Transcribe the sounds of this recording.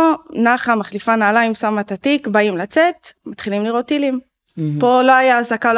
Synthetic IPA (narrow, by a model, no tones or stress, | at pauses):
naχamaχlifanaːlaimsamat̪at̪ikbaimlat͡se̞t̪mat̪χilimliʁo̞t̪ːilim | po̞lo̞ajaːzakal